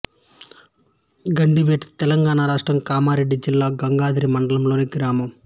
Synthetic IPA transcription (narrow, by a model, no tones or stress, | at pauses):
ɡɐɳɖiʋeːʈt̪ɛlɐŋɡaːnaːɾaːʂʈɾɐmkaːmaːɾe̞ɖːid͡ʒilːaːɡɐŋɡaːd̪iɾimɐɳɖɐlɐmloːniɡɾaːmɐm